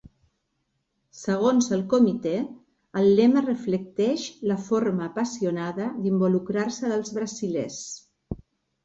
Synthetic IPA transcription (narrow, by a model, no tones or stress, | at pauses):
səɣ̞onzəlˠkumit̪e | əlˠːɛmərəflək̚t̪ɛʃləfoɾməːpəsiunaðəd̪imbulukɾarsəðəlˠzβɾəziles